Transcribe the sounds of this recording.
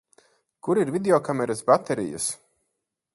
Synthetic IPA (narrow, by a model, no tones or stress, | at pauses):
kuɾiɾvʲid̪ʲeɔkamɛɾasbat̪ɛɾḭjɐ̰s